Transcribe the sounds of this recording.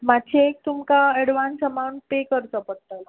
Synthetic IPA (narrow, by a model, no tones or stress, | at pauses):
madɕiek̚t̪umkaɛɽʋansəmaũɳʈ̚pekəɾt͡səpəɽ̚t̪ə